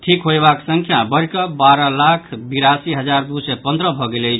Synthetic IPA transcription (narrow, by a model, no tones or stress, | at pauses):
ʈʰikɦoebaksəŋkʰjabəɾkəbaɾəlakʰbiɾasiɦəd͡ʒaɾd̪usɛpənd̪ɾəbʱɔɡelət͡ʃʰ